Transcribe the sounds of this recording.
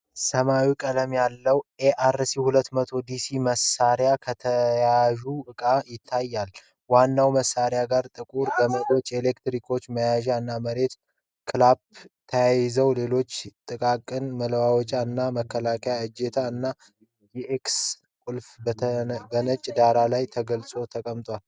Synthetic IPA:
səmawikʼələmjalːəwʔeʔaɾsihulət̪ːmət̪ʰo̞d̪isiməsaɾjakʰət̪ʰəjaʒuʔɨkʼajɪt̪ʰːajːal | wanːawməsːaɾjaɡaɾt̪ʼɨkʼuɾɡəməlo̞t͡ʃːelekt̪ɾikʰo̞t͡ʃːməjaʒaɨnːaməɾe̞t̪ | kʰɨlabt̪ʰəjajzəwle̞lo̞t͡ʃːt̪ʼɨkʼakʼːɨnmələwawɔt͡ʃʼaɨnːaməkʰːəlakʰjaɨd͡ʒet̪ʰaɨnːa | ɛʔeks | kʼulf | bənət͡ʃʼd̪aɾalajt̪ʰəɡəlsʼo̞t̪ʰəkʼəmt̪ʼwal

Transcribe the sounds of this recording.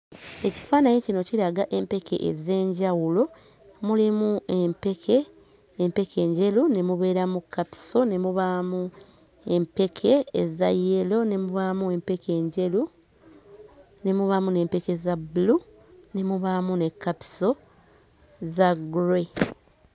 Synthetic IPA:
e̞ci̥faːnajecino̞cilaɡaʔe̞mpe̞kḛʔḛze̞ːɲɟawulo̞ | mulimuempekʰe | empe̞kʰe̞ːɲɟe̞lune̞muβe̞ːɾamukʰːapi̥so̞ne̞muβamu | e̞mpe̞kʰe̞ːzajːelo̞ne̞muβamue̞mpe̞kʰe̞ːɲɟe̞lu | ne̞muβamune̞ːmpe̞ke̞zabulu | ne̞muβamune̞kːapi̥so̞ | zaɡuɾe̞

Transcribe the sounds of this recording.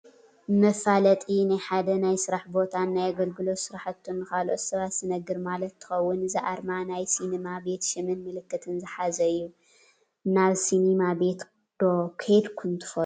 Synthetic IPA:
mɐfalɐt̪ʼinajħad̪ɐnajsɨɾaħbo̞t̪ʰanːajaɡɐlɡɨlo̞sɨɾaħat̪ʰːunːɨkalʔot̪sɐβat̪sɨnɐɡɨɾmalɐt̪ʰːɨ̥xɐwːʊnɨziʔaɾmanajsinemabe̞t̪ʃɨmɨnmɨlɨkːɨt̪ʰɨnzɨħazɐɨjːu | naβsinemabe̞t̪ | d̪̥okʰed̪kʰɨnt̪ʰɨ̥fɐ

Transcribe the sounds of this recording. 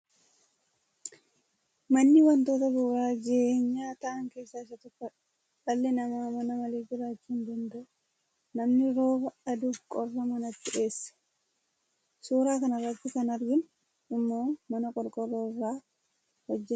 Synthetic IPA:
mɐnːɪwɐnt̪o̞ːt̪ɐbuːɾaːd͡ʒɛʔeːɲːaːt̪ɐʔɐŋke̞ːsːaːɪsɐt̪ɔkːɐ | ɐlːɛnɐmaːmɐnɐmɐleːd͡ʒɪɾaːt͡ʃːuːnd̪ɐnd̪ɐʔʊ | nɐmnɪɾo̞ːbɐɐd̪ʊkʼɔrːɐmɐnɐt̪ːɪʔe̞ːsːɐ̥ | suːɾaːkɐnɐrːɐt̪ːɪkɐnɐɾɡɪn | ɪmːo̞ːmɐnɐkʼɔɾkʼɔrːoːɪrːaː | hɔd͡ʒːɛ

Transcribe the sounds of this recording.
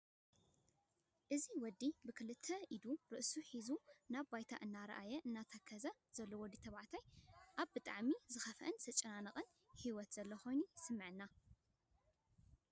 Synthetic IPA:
ʔɨziwɔd̪ːibɨkʰɨlɨt̪ʰːɐid̪uɾɨʔsuħizunaβbajt̪ʰa̰ʔɨnːaɾɐ̰ʔajɐʔɨnːat̪ʰakʰːɐzɐ | z̥ɐlːowɔd̪ːit̪ʰɐβaʕt̪ʰajʔaβbɨt̪ʼa̰ʕmizɨxɐfɐʔɨnsɐt͡ʃʼɐnanɐqʼɨn | hiwɔt̪z̥ɐlːɐxo̞jnusɨmːɨʕɨnːa

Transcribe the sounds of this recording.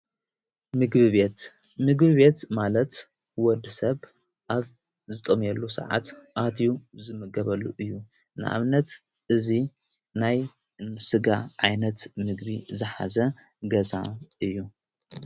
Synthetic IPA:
mɨɡβɨβet̪ | mɨɡbɨβet̪malɐt̪ | wɔd̪ɨsɐβ | ʔaβ | zɨt̪ʼomjɛlːusɐ̰ʕa̰t̪ʔat̪ʰjuzɨmɨɡɐβɐlːuʔɨjːu | nɨʔa̰βnɐt̪ | ʔɨzi | naj | ɨnsɨɡaʕajnɐt̪mɨɡbizɨħa̰zɐ | ɡɐzaʔɨjːu

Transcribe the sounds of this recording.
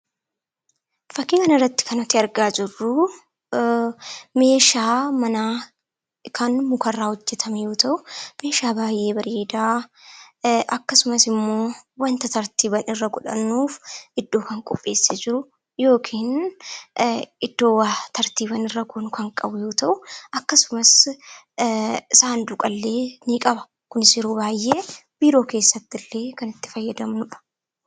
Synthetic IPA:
fɐkːɪkɐnɐrːɐt̪ːɪ̥kɐnɔt̪ɪɐɾɡaːd͡ʒɪrːʊ | me̞ːʃaːmɐnaː | kʰɐnmʊkɐrːaːhɔd͡ʒːɛt̪ʰɐmɛjo̞ːt̪ɐʔʊme̞ːʃaːbaːjʔe̞ːbɐɾeːd̪aː | ʔɐkːɐsʊmɐsɪmːo̞ːwɐnt̪ɐt̪ɐɾt̪iːbɐnɪrːɐɡʊᶑɐ̰nːuːfɪd̪ːo̞ːkɐŋkʼɔpʼːe̞̰ːsːed͡ʒɪɾʊ | jo̞ːkʰiːn | ɪd̪̥ːo̞ːwaːt̪ɐɾt̪iːbɐnɪrːɐɡʊnkʰɐŋkʼɐbʊjo̞ːt̪ɐʔʊɐkːɐsʊmɐs | saːnd̪ʊkʼɐlːe̞ːnikʼɐbɐ̥ | kʊnɪsɪɾuːbaːjːe̞ːb̥iːɾo̞ːke̞ːsːɐt̪ːɪlːe̞ːkɐnɪt̪ːɪ̥fɐjːɐd̪ɐmnʊᶑɐ̥

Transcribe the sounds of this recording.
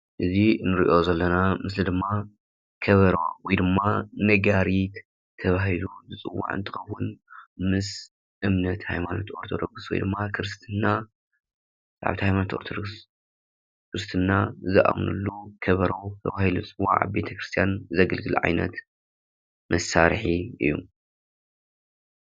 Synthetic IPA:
ʔɨzinɨɾiʔo̞zɐlːɐnamɨs̬lid̪ɨmːa | kʰɐβɐɾowwjd̪ɨmːanɐɡaɾit̪ | t̪ʰːɐβahiluzɨt͡sʼɨwːa̰ʕɨ̰nt̪ʰɨxɐwːʊnmɨs | ʔɨmnɐt̪hajmanot̪ʰo̞̰ɾt̪ʰod̪oɡswɔ̰jd̪ɨmːakʰɨɾɨst̪ʰɨnːa | t͡sʼaʕa̰βt̪ihajmanot̪oɾt̪ʰod̪oɡs | kɾɨst̪ʰɨnːazɨʔa̰mnṵlːukʰɐβɐɾɐwt̪ʰɐ̰βahilut͡sʼɨwːa̰ʕa̰be̞t̪ʰɐkɾɨst̪ʰijanzɐɡɐlɡɨlʕa̰jnɐ̰t̪ | mɐsaɾħiɨ̰jːṵ

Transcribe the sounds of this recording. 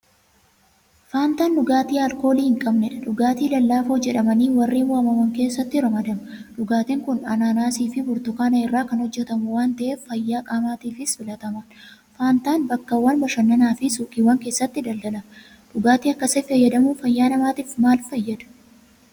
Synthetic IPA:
faːnt̪aːnːʊɡaːt̪iːɐlko̞ːliːhɪŋkʼɐbnɛᶑɐᶑʊɡaːt̪iːlɐlːaːfoːd͡ʒɛᶑɐmɐniːwɐrːiːwɐɐmɐwɐŋke̞ːsːɐt̪ːɪɾɐmɐd̪ɐmɐᶑʊɡaːt̪ɛŋkʊnɐnaːnaːsiːfɪbʊɾt̪ʊkɐnɐɪrːaːkɐnhɔd͡ʒːɛt̪ɐmʊwaːnt̪ɐʔeːfːɐjːaːkʼaːmaːt̪iːfɪsfɪlɐt̪ɐmɐn | faːnt̪aːnbɐkːɐwːɐnbɐʃɐnːɐnaːfɪsuːkʼiːwːɐŋke̞ːsːɐt̪ːɪd̪ɐld̪ɐlɐ | ᶑʊɡaːt̪iːɐkːɐsɛfɐjːɐd̪ɐmʊfɐjːaːnɐmaːt̪iːfmaːlfɐjːɐd̪ɐ̥

